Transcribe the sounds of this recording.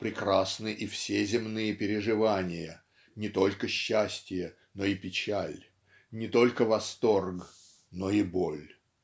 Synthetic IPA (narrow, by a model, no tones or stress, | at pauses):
pɾʲɪkrasnɨʔifsʲezʲɪmnɨjəpʲɪɾʲɪʐɨvanʲɪjə | nʲɪt̪o̞lʲkəɕːæsʲtʲɪjə | noɪpʲɪt͡ɕælʲ | nʲɪt̪o̞lʲkəvɐst̪o̞rɡ | noibolʲ